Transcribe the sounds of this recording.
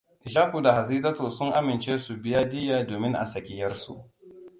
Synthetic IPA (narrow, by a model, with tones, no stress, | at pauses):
ʔɪ˨ʃaː˦kʷu˨da˨ha˨ziː˦tɐ˦toː˨sʊ˦ŋʔa˦mɪ˨nt͡ʃeː˦su˨bɪ˦jaː˦dɪ˦jaː˨doː˨mɪ˦ŋʔa̰˨sɐ˨kʲɪ˨jɐ˦rsṵ˨ʔ